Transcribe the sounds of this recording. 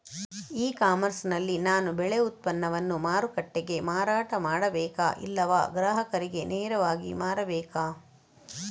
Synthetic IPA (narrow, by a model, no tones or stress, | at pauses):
iːkaːmɐɾsnɐlːinaːnubɛɭe̞ut̪̚pɐnːɐʋɐnːumaːɾukɐʈːeɡe̞maːɾaːʈɐmaːɽɐbɛːka̰ːʔḭlːɐʋa̰ːɡɾaːɦɐkɐɾiɡe̞neːɾɐʋaːɡḭmaːɾɐbɛːkaː